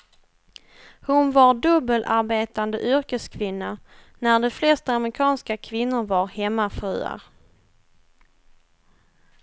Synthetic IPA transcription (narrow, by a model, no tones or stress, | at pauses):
hʊnvaɾɖɵbəlʔaɾbeːt̪and̪əʔʏɾkəskʰvɪnːanæɖɛflɛst̪amɾɪkʰɑːnskakʰvɪnːʊɾvaɾhɛmːafɾʉːa̰ɾ